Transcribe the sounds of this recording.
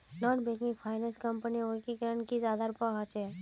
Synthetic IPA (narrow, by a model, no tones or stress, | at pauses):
nɔːnbeːkɪ̃ŋɡpʰaːɪnɛ̃nskəmpəniokikəɾənkizjaːd̪aɾʊpaɦat͡ʃɛ